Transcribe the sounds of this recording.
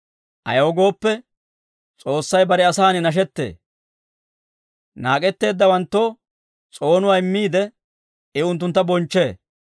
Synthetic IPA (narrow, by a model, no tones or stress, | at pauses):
ʔɐ̰jɐwɔɡo̞ːpːɛ | t͡sʼo̞ːsːɐjbɐɾɛɐsaːnɪnɐʃ̬ɛt̪ːḛː | naːkʼɛt̪ːe̞ːd̪ːɐwɐnt̪ːo̞ː | t͡sʼo̞ːnʊwaːɪmːiːd̪ɛ | ɪʊnt̪̬ːʊnt̪ːɐbɔnt͡ʃːe̞ː